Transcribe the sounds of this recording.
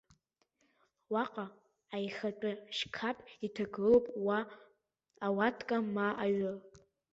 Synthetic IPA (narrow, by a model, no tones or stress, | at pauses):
waqʼa | ajχat͡ʃʼʊʃkʰapʼitʰaɡɨlowpʼwaː | watʰkʼamaʔaɥʊ